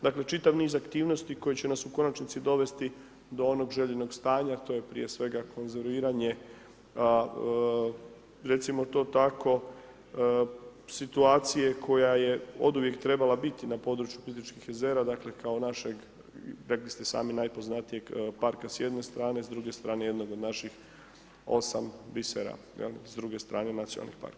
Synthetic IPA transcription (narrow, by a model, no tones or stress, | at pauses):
d̪akle̞t͡ʃit̪aʋniːzakt̪iːʋno̞st̪iko̞jet͡ɕe̞nasuko̞nat͡ʃnit̪sid̪o̞ʋe̞st̪i | d̪o̞o̞no̞ɡʒe̞ʎeno̞ɡst̪aːɲat̪o̞je̞pɾḭje̞sʋe̞ɡakʰo̞nzeɾʋiːɾaɲe̞ | ɾe̞t̪simo̞t̪o̞ːt̪ako̞ | sit̪uaːt̪sije̞kʰo̞jaje̞o̞d̪uʋje̞kt̪ɾe̞balabit̪inapo̞ːd̪ɾut͡ʃju̥polit̪it͡ʃkixezeːɾad̪akle̞kao̞naʃeɡ | ɾeklist̪e̞sa̰ːminajpo̞znat̪ije̞ɡpaɾkasjed̪ne̞st̪ɾaːnezd̪ɾuɡe̞st̪ɾaːne̞je̞d̪no̞ɡo̞d̪naʃix | o̞̰sambiseɾa̰ | jḛlḭsd̪ɾuɡe̞st̪ɾaːne̞nat̪sio̰na̰lnḭxpa̰ɾka